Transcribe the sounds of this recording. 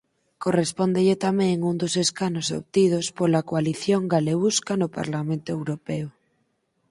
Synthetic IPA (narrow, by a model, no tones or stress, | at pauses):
korespond̪eʎet̪amɛ̃ŋund̪oseskanoso̰βt̪ið̞ospolakoaliθjoŋɡaleβuskanopa̰ɾlamẽnt̪oewɾopɛo